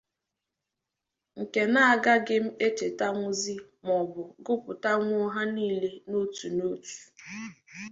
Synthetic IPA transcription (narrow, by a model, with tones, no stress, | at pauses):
ŋ̩˨ke˨na˦a˨ɡa˦ɡɪ˦m̩˦e˦t͡ʃe˨ta˦ŋʷʊ˦zi˦mɔ˨bʊ˨ɡʊ˦pʊ˨ta˦ŋʷ˦o˦ɦa˦niː˦le˦no˦tu˨no˦tu̥˨